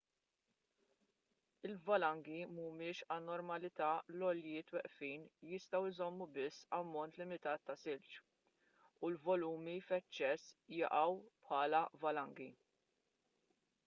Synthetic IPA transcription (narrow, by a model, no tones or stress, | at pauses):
ɪlvɐlɐŋɡimumɪːʃɐnːɔɾmɐlɪt̪ɐːlɔljɪːt̪wɛʔfiːnjɪst̪ɐwɪzɔmːubɪsːɐmːɔnt̪lɪmɪt̪ɐːt̪ːɐsɪlt͡ʃ | ulvɔluːmifɛt͡ʃːɛsːjɐ̰ʔɐwpħɐːlɐvɐlɐŋɡi